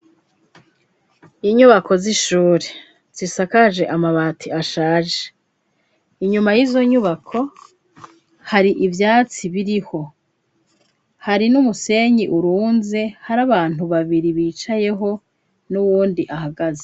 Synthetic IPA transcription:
iɲuβakʰo̞ziʃuːɾe | z̥isakaʒe̞ʔamaβaːtʰiaʃaːʒe̥ | iɲumajizo̞ɲuβakʰo̞ | haɾiʔivjaːt͡siβiɾiho̞ | haɾinumuse̞ɲiʔuɾuːnze̞haɾaβaːn̥uβaβiɾiβiːt͡ʃaje̞ɦo̞ | nuwuːndiʔaɦaɡaze

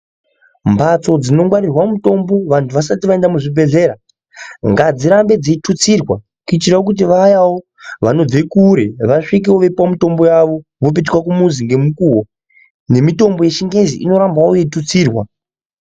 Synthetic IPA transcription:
mbʱat͡so̞d͡zino̞ŋɡwaɾirwamumuto̞mbo̞ʋantʰuʋas̬atiʋae̞ndamuʐibʱe̞ɮe̞ɾa | ŋɡad͡ziɾambe̞d͡ziitut͡sirwa | kit͡ʃiraok̬ut̬iʋajawo̞ | ʋano̞dekuɾeʋaʂik̬iwoʋe̞pamito̞mbo̞jaʋo̞ʋop̬it̬kwakumuziŋɡe̞mukuːwo | ne̞mito̞mbo̞jeʃiŋɡe̞zḭʔino̞ɾambawojeitut͡siːrwa

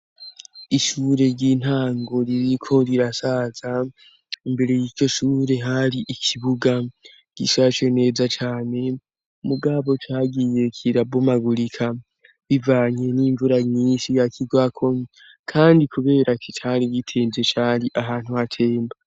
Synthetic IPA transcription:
iʃuːɾe̞ɾɟiːn̥haːŋɡo̞ɾiɾikʰo̞ɾiɾasaːz̥a | imbe̞ɾe̞jiːt͡ʃo̞ʃuːɾe̞ɦaɾiʔikʰiβuɡa | ɡ̥iʃat͡ʃwe̞ne̞ːzat͡ʃaːne̞ | muɡaβo̞taːɡije̞kʰiɾabomaɡuɾikʰa | βivaːɲe̞niːɱvuɾaɲiːnʃijakʰiɡwakʰo̞ | kʰaːndikʰuβe̞ːɾakit͡ʃaːɾiɟitʰeːnzet͡ʃaːɾiʔaɦaːn̥huhatʰe̞ːmba

